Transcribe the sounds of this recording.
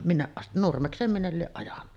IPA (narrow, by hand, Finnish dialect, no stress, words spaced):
minːeʔ ʔɑst nurmekseːm minːel lieʔ ʔɑjɑnːɑ